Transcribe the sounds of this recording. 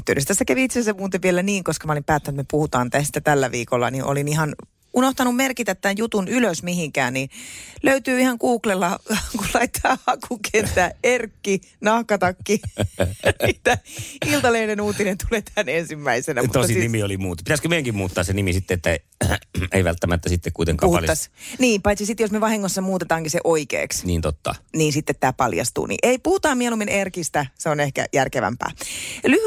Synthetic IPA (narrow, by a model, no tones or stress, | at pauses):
yt̪ːeønest̪æsːækæʋiit̪sesemuːt̪eʋʋielæniːŋkoskɑmɑolimpæːt̪ːænyt̪mepuhut̪ɑːnt̪æst̪æt̪ælːæʋiːkolːɑ̰niʔo̰linihɑn | unoht̪ɑnummerkit̪æt̪ːæjjut̪unyløsmihiŋkæːnniløyt̪yːihɑŋkuːklelːɑkullɑit̪ʰːɑːɑkukʰent̪æːerkːinɑhkɑt̪ɑkːi | it̪ːæilt̪ɑleːnenuːt̪inent̪uleːt̪ænensimːæisenæmut̪oɑsinimiolimuːt̪pit̪æskømeˑijæŋkimuːt̪ːɑːsenimisit̪ːeet̪ːæ | ḛˑiʋælt̪ːæmæt̪ːæsit̪ːekuit̪ḛŋkɑ̰ːɑ̰tlj̪ɑsniːmpɑit̪sisit̪josmeʋɑhiŋːosːɑmuːt̪et̪ɑːŋkiseʔoikḛːksniːnt̪ot̪ːɑ̰niːnsit̪ːet̪t̪ːæːpɑljɑ̰st̪ṵːnḭʔeipuhut̪ɑːmiɛluminerkist̪æseonehkæ̰jærkeʋæ̰mpæ̰ːly